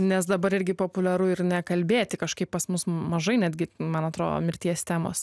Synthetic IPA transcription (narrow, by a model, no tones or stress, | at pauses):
nʲɛs̬d̪ɐbɐɾɪɾʲɡʲɪpoːpʊlʲɛɾʊɪɾnʲɛkɐlʲbʲeːt̪ʲɪkɐʃkɐɪppɐsmʊsmɐʒɐɪnʲæd̪ʲɡʲɪmɐnɐt̪ɾoːd̪o̰ːmʲɪɾʲt̪ʲiɛst̪ʲæːmo̰ːs